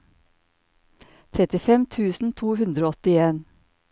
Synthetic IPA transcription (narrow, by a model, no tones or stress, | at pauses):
t̪ʰɾɛt̪ɪfɛmt̪ʰʉːsn̩t̪ʰuːhʉnd̪ɾoːɔt̪ɪeːn